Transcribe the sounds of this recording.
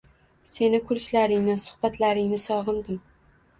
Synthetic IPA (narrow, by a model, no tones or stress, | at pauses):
se̞nɪkʰʊlʃlaɾɪŋnɪsʊ̥hbat̪laɾɪŋnɪsɒʁɨnd̪ɪm